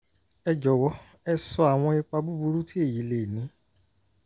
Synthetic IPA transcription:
ɛ˧d͡ʒɔ˨˦wɔ˧˦ | ɛ˧sɔ˧a˨w̃ɔ̃˧i˧k͡pa˧bu˦bu˧ɾu˦ti˦e˦˨ji˨˦le˨nĩ˨˦

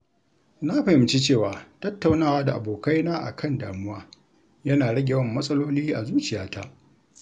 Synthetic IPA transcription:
na˦ɸɐ˨ɪ˨mt͡ʃi˦t͡ʃeː˦˨waː˨tɐ˦tːa˨wnaː˦˨waː˦da˨ʔa̰˨boː˨ka˦jnaː˦ʔa̰˨kʰɐ˦˨nda̰ː˨mʊ˦waː˦ | jɐ˦naː˨ɽɐ˦ɡʲe˨wɐ˦mːɐ˦sʼɐ˦loː˦liː˦ʔa˨zuː˦t͡ʃɪ˨jaː˦ta̰˦ʔ

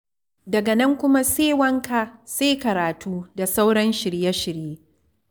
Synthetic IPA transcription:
dɐ˨ɡa˨nɐ˦ŋkʷʊ˦ma˦seː˦wɐ˦ŋka˨seː˦kɐ˨ɾaː˨tʰuː˦da˨sa˦wɽɐ˦nʃɪ˨ɽja˦ʃɪ˨ɾjeː˦

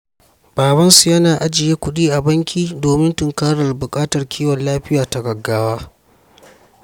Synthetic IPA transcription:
b̥aː˨bɐ˦nsu˨jɐ˦naː˨ʔa˦d͡ʒɪ˨jeː˦kʷʊ˦ɗiː˦ʔa˨bɐ˦ŋkʲʰiː˦doː˨mɪ˦ntʊ˨ŋkaː˦ɽɐ˨rbʊ˨kʼaː˦tɐ˨rkʲʰiː˦wɐ˨nlaː˦ɸɪ˦jaː˨ta˨ɡɐ˨ɡːaː˦waː˦

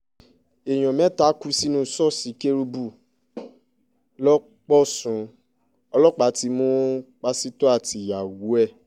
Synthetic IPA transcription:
e˨j̃ɔ̃˨mɛ̃˨˦ta˦ku˧˦si˦nũ˦sɔ˦˨si˨˦ke˦ɾu˧bu˦˨ | lɔ˦ | k͡pɔ˦sũ˨˦ | ɔ˧lɔ˦k͡pa˨˦ti˧˦mo˦k͡pa˧si˦tɔ˦a˦˨ti˧˨ja˨wu˨˦ɛ˦˨

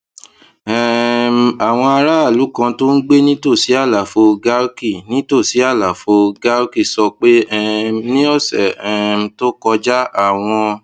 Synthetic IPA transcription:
ɛ˨a˨w̃ɔ̃˧a˧ɾa˦a˦˨lu˨˦kã˧to˦n̩˦ɡ͡be˦nĩ˦to˦˨si˨˦a˦˨la˨fo˧ɡa˦ɾki˦˨nĩ˦to˦˨si˨˦a˦˨la˨fo˧ɡa˦ɾki˦˨sɔ˧k͡pe˦ɛ˦˨nĩ˦ɔ˦˨sɛ˨ɛ˨to˦kɔ˧d͡ʒa˦a˦˨w̃ɔ̃˧

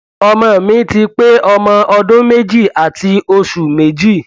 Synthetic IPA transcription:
ɔ˧mã˧˨mĩ˨˦ti˧k͡pe˦ɔ˧mã˧ʔɔ˧dõ˦me˦d͡ʒi˦˨a˨tʰi˧o˧ʃu˨me˨d͡ʒi˦˨

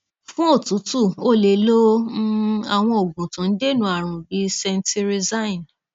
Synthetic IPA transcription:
fũ˦o˦˨tũ˨˦tu˦˨o˦˨le˨lo˦ | a˨w̃ɔ̃˧o˨ɡũ˨tã˨n̩˦de˦nũ˦a˦˨ɾ̃ũ˨bi˧˦sɛ˧n˦ti˧ɾi˧za˦ĩ˨n

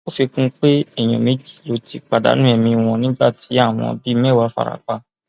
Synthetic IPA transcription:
o˦fe˧kũ˦k͡pe˦ɛ˦˨j̃ɔ̰̃˨me˨˦d͡ʒi̥˦˨lo˨˦ti˦˨k͡pa˨da̰˨˦nũ˦ɛ˧mĩ˧w̃ɔ̃˧nĩ˦ba˦˨ti˨˦a˦˨w̃ɔ̃˧bi˦mɛ˦˨wa˧˦fa̰˨ɾa̰˨k͡pa˧

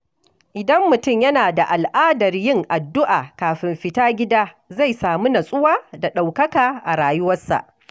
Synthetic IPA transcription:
ʔɪ˨dɐ˦mːʊ˨tʊ˦˨mjɐ˦naː˨da˨ʔa˨lʔaː˦dɐ˨rjɪ˦ŋʔa˨dːʊ˦ʔaː˨kaː˨ɸɪ˨mɸɪ˦taː˦ɡʲɪ˦daː˦ | za˦˨jsaː˨mu˦nɐ˨sʼʊ˦waː˦da˨ɗa˨wkɐ˦kaː˨ʔa˨ɽaː˨jʊ˦wɐ˦sːa̰˨ʔ

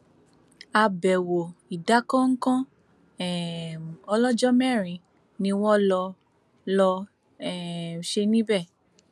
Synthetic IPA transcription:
a˧bɛ˨wo˨i˨da˨˦kã˦ŋ̩˦kã˦ | ɛ˨ɔ˧lɔ˦d͡ʒɔ˦mɛ˦˨ɾ̃ĩ˨ | nĩ˧wɔ̃˦lɔ˧ | lɔ˧ | ɛ˦˨ʃe˧nĩ˦bɛ˦˨

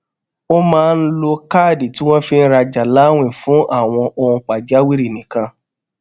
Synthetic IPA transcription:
o˦mãː˦˧n̩˦lo˧kaː˦˨di˨tĩ˦w̃ɔ̃˦fi˦n̩˦ɾa˧d͡ʒa˨la˨˦w̃ĩ˦˨fũ˦ʔa˦˨w̃ɔ̃˧ʔo˧ũ˧k͡pa˨d͡ʒa˦wi˦ɾi˦˨nĩ˨kã˧

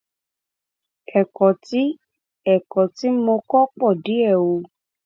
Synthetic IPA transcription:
ɛ˨kɔ˨ti˦ | ɛ˨kɔ˨ti˦mõ˧kɔ˦k͡pɔ˦˨di˨˦ɛ˦˨wo˧

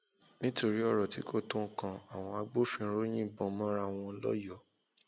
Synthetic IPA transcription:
nĩ˦to˧ɾi˨˦ɔ˦˨ɾɔ˨ti˨˦ko˦˨tõ˦˨kã˧a˨w̃ɔ̃˧a˧ɡ͡bo˦fĩ˧˦ɾo˦j̃ĩ˦˨bɔ̃˧mɔ̃˦ɾa˧˨w̃ɔ̃˧˦lɔ̰˦jɔ˦˨

